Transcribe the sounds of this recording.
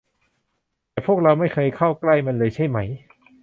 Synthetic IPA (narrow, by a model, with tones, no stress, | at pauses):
tt̪ɛː˨˩pʰu˥˩ək̚ɾa˧wma˥˩jkʰɤː˧jkʰa˥˩wkla˥˩jma˧nlɤː˧jt͡ɕʰa˥˩jma˦˥j